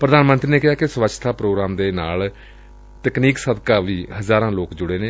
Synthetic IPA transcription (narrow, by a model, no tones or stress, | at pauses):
pɾəd̪aːnmə̃nt̪ɾiːneːkɪɦaːkɪsʋəʃt̪ʰaːpɾoːɡɾaːmd̪eːnaːl | t̪əkniːksəd̪kaːʋiːɦəzaːɾãːloːkd͡ʒʊɽeːneː